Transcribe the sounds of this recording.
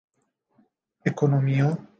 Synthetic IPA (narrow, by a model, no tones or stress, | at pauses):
ekonomio